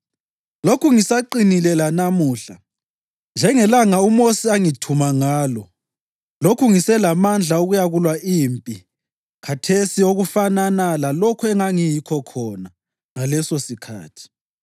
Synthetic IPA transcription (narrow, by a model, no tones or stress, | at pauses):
lokʰuŋisaǃinilɛlanamuːɬa | nd͡ʒʱɛŋɛlaŋaumosiaŋitʰumaŋaːlɔ | lokʰuŋisɛlamand͡ɮʱauɣujaɣulwaʔimpʼi | kʰatʰesioɣufananalalɔkʰuɛŋaŋijikʰɔkʰɔna | ŋalɛsosikʰa̰ːtʰi̥